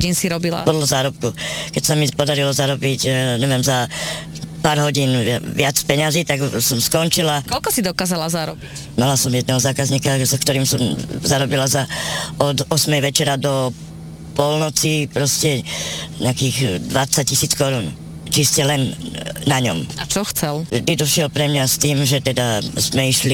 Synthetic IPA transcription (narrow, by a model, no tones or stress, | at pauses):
ɟiːnsiɾɔbila̰pɔd̪lɔzaːɾɔp̚kukɛcsamipɔd̪aɾilɔzaɾɔbicɲɛʋɪjɛmza | paːɾɦɔɟiːnʋɪat͡spɛɲaziːt̪aɡsɔmskɔnt͡ʃilakɔʎkɔsid̪ɔkaːzalazaɾɔbi | malasɔmjɛd̪nɛːɦɔzaːkazɲiːkazakt̪ɔɾiːmsɔmzaɾɔbilazaɔd̪ɔsmɛjʋɛt͡ʃɛɾad̪ɔ | pɔlnɔt͡sipɾɔscɛɲɛakiːɣd̪ʋat͡sac̚cːisiːt͡skɔɾuːn | t͡ʃiscɛlɛnːaɲɔ̰mat͡ʃɔxt͡sɛld̪id̪ɔʃɪɛlpɾɛmɲast̪iːmʒɛt̪ɛd̪azmɛiʃli